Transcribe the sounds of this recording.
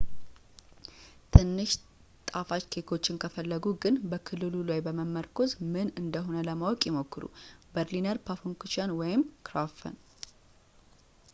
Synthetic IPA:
t̪ʰɨnːɨʃ | t̪ʼafat͡ʃkʰekʰo̞t͡ʃːɪnkʰəfəlːəɡuɡɨnbəkʰɨlːɨlulajbəməmːəɾkʰo̞zmɨnɨnd̪əɦo̞nələmawɔkʼjɛmokːɨɾṵbəɾlinəɾpʰafoŋkut͡ʃanwɔjɪmkʰɾafə̰n

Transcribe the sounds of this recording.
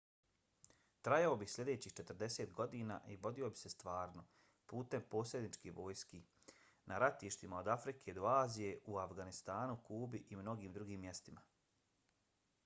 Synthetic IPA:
t̪ɾajaobixslʲe̞d̪e̞ːt͡ɕiːxt͡ʃe̞t̪ər̩d̪e̞seːt̪ɡo̞d̪iːna̰ːʔiʋo̞d̪io̞bi̥se̞st̪ʋaːɾno̞ | puːt̪e̞mpo̞ːsʲed̪nit͡ʃkiʋo̞ːjski | nʔaɾat̪iːʃt̪imao̞d̪afɾikʰe̞d̪o̞aːzije̞ʔuafɡanist̪aːnukuːbiʔimno̞ɡiːmd̪ɾuɡiːmːje̞st̪ima

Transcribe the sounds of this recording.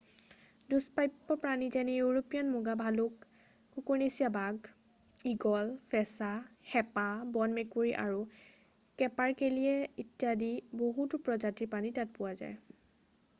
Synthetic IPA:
duspajpːɔpɹanizɛnijuɹopijɔnmuɡabʱalʊkː | ukuɹnesijabaɡ | iɡɔlfʰɛsaxɛpabɔnmekuɹiʔa̰ɹu | kɛpaɹkelijɛitijadiboɦutʊpɹɔd͡ʒatipanitat̚pʊwaza̰j

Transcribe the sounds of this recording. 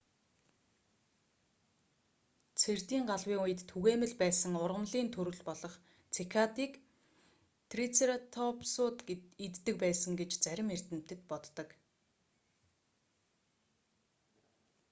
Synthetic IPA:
t͡sʰert̪iːŋɢaɮwiːŋujɘ̆t̪t̪ʰːuɣeːmɘ̆ɮpæːsə̆ŋʊrʁə̆mɮiːnt̪ʰɵɾɵ̆ɮpɔɮɞ̆χ | t͡sʰekʰat̪iːk | t̪ʰrit͡seɾat̪ʰɔpsʊːt̪it̪ːɘ̆k̚pæːsə̆ŋɡet͡ɕt͡sæɾʲɪ̆mer̥t̪ɘ̆m̥t̪ɘ̆t̪̚pɔt̪ːɞ̆k

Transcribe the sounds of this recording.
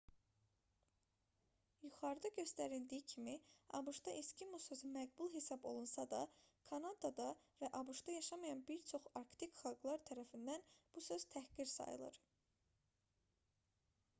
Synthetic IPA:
juχɑɾd̪ɑɟø̞st̪æɾild̪ijicʰimiɑ̰buʃd̪ɑʔiscibusø̞zumæɡbulˠɦesɑbo̞̰lˠunsɑd̪ɑkʰɑnɑd̪ɑd̪ɑvæʔɑbuʃd̪ɑjɑʃɑmɑjɑnbiɾt͡ʃʰo̞χɑɾkt̪ʰikχɑlˠɡlˠɑɾt̪ʰæɾæfind̪ænb̥usø̞z̥t̪ʰæhɡiɾsɑ̰jɯ̰lˠɯ̰ɾ

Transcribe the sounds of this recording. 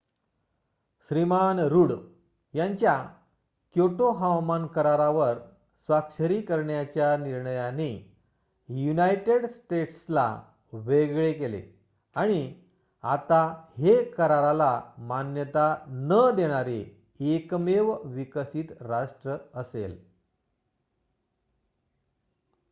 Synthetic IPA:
ɕɾimanɾuɽ | jaɲt͡ɕja | kjoʈoɦawmankəɾaɾaʋəɾ | sʋakʂəɾiːkəɾɳjat͡ɕjaniɾɳəjani | junajʈeɽsʈeʈsla̰ | ʋeɡɭek̬elḛ | aɽ̃i | at̪ahekəɾaɾalamanjət̪anəd̪eɽ̃aɾe | ekmeʋʋikəsiːt̪ɾaʂʈɾəəsḛl

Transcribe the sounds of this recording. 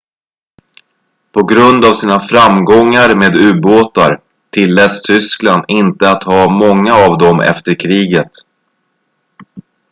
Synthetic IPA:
pʰɔɡɾɵnd̪avsiːnafɾamɡɔŋːaɾmeːd̪ʉ̟ːboːt̪aɾ | t̪ʰɪlːɛːst̪ʰʏskland̪ɪnt̪əat̪hɑːmɔŋːaːvd̪ɔmɛ̰ft̪əɾkʰɾiːɡət̪

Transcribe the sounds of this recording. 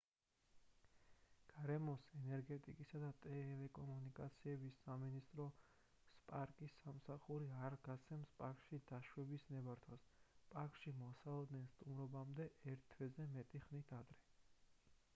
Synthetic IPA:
ɡ̥aɾɛmɔsɛnɛɾɡɛt̪ʼikʼisad̪at̪ʼɛlɛkʼɔmunikʼat̪sʰiɛbisaminist̪ʼɾɔ | spʼaɾkʼisːamsaχuɾiaɾɡ̥at̪sʰɛmspʼaɾkʃid̪aʃwɛbisnɛbaɾt̪ʰwaspʼaɾkʼʃimɔsalˠɔd̪nɛnst̪ʼumɾɔbamd̪ɛʔɛɾt̪ʰːwɛzɛmɛt̪ʼiχnit̪ʰad̪ɾɛ

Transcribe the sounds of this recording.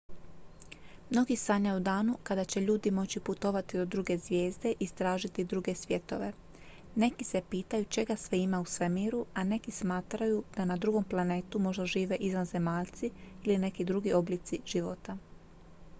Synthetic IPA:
mno̞ɡisaɲajud̪aːnukad̪at͡ɕe̞ʎuːd̪imo̞t͡ɕiput̪o̞ʋat̪id̪od̪ɾuɡe̞zʋje̞ːzd̪e̞ʔist̪ɾaːʒit̪id̪ɾuɡe̞sʋje̞t̪o̞̰ʋe̞ | ne̞kise̞piːt̪ajut͡ʃe̞ɡasʋeimausʋe̞miːɾuane̞kismaːt̪ɾajud̪̥anad̪ɾuɡo̞mplˠane̞ːt̪umo̞ʒd̪aʒiːʋe̞ʔizʋanze̞maːʎt̪siiline̞kid̪ɾuɡio̞blit̪siʒ̥iʋo̰t̪a

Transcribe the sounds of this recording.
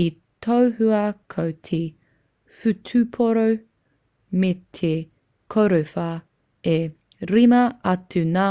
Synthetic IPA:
i | tʰowhʉɐkʰowt̪ʰe | fʉtʰʉpʰoɾow | met̪ʰe | kʰoɾufɐ | e | ɾimɐɐtʰʉna

